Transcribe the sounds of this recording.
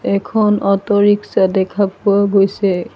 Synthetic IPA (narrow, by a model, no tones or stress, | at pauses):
ɛkʰɔnɔtɔɹiksadɛkʰapʊaɡojsɛ